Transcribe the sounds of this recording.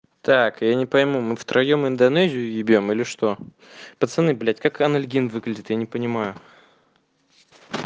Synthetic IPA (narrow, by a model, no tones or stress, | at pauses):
t̪akjanʲɪpəjmumɨft̪ɾʔɐjomɪnd̪ɐnɛzʲɪjʊjɪbʲjomilʲɪʂt̪o̞ | pət̪sɨnːɨjblʲætʲkakɐnɐlʲɡʲinvɨɡlʲɪdʲɪt̪janʲɪpənʲɪmajʊ